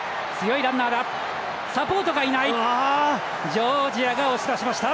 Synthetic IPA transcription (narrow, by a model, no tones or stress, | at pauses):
t͡sɨjo̞iɾãnːaːd̪a | sapo̞ːt̪o̞ɡainaia | d͡ʑoːd͡ʑiaɡaoɕi̥t̪aɕimaɕi̥t̪a